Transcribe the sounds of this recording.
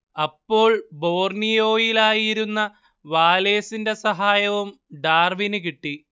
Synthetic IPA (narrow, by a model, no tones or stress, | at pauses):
ɐpːo̞ːɭbo̞ːrnijo̞ːjilaːjiɾunːɐ | ʋaːle̞ːsinde̞sɐɦaːjɐʋum | ɖaːrʋinɨkiʈːi